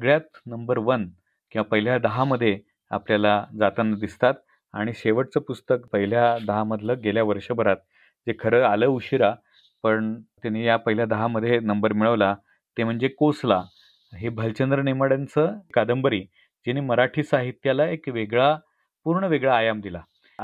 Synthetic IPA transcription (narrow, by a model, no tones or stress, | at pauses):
sɡɭjat̪nəmbəɾʋən | kĩʋapəɦiljad̪əɦaməd̪ʱːje | a̰pljalad͡zat̪and̪ist̪at̪̚ | a̰ɽ̃iɕeʋəʈ̚t͡səpust̪ək̚pəɦiljad̪əɦaməd̪ʱləɡeljaʋəɾʂəbʱəɾat̪̚ | d͡zekʰəɾəːaləuɕiɾa | pəɳt̪janijapəɦiljad̪əɦaməd̪ʱːjenəmbəɾmiɭəʋla | t̪em̤əɳd͡zekosla | ɦebʱəlt͡ɕənd̪ɾəneməɽant͡səkad̪əmbəɾiː | d͡ʑiniːməɾaʈʰiːsaɦit̪jalaekʋeɡɭa | puɾɳəʋeɡɭaːjamd̪ila